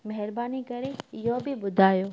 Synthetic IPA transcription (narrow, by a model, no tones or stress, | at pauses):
mɐɦɪɾbaːnikɐɾeɪjɦobɪɓʊd̪ʱaːjoː